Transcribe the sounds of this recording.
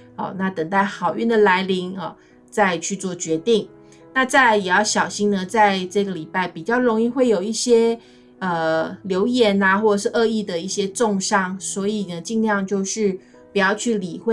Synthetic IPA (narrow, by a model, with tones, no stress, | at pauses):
ɔ̰˨˩na˥˩t̪ə˨˩ŋt̪a˥˩ɪxɑ˨˩ʊy˥˩nd̪ə˩la˧˥ɪli˧˥ŋɐ˥˨ | t͡sa˥˧ɪt͡ɕʰy˥˧t͡swɔ˥˩t͡ɕɥɛ˧˥t̪i˥˩ŋ | na˥˧t͡sa˥˩ɪjɛ˨˩jɑ˥˩ʊɕjɑ˨˩ʊɕi˥ŋnə˧t͡sa˥˧ɪʈ͡ʂɤ˥˩ɡə˩li˨˩pa˥˩ɪpi˨˩t͡ɕjɑ˥˩ʊɻo˧˥ŋi˥˧xwe˥˩ɪjo˨˩ʊi˥˩ɕjɛ˥ | ə˩ljo˧˥ʊjɛ˧˥na˧xwɔ˥˩ʈ͡ʂə˨˩ʂ̬ɻ̩˥˩ʔɤ˥˧i˥˩d̪ə˩i˥˩ɕjɛ˥ʈ͡ʂʊ˥˧ŋʂɑ˥˩ŋswɔ˧˥i˨˩nə˩t͡ɕi˥˧ŋljɑ˥˧ŋt͡ɕjo˥˧ʊʂɻ̩˥˩ | pu˨˩jɑ˥˧ʊt͡ɕʰy˥˩li˨˩xwe˥˧